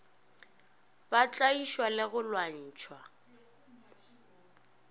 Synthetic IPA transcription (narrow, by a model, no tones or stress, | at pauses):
bat͡ɬʼaiʃwalɪɣʊlwan̩ːt͡ʃʰwa